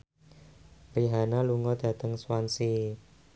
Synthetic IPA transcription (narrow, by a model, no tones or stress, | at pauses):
ɾiɦanaluŋɔd̪̥ä̤d̪əŋswansi